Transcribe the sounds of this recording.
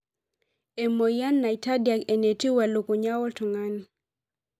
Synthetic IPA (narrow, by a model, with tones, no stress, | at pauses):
e˨mo˨ja˦nːa˨i˨ta˦dja˨ke˨ne˨ti˦wa˨lo˨ko˨ɲa˦wɔ˦ltʊ˨ŋa˦n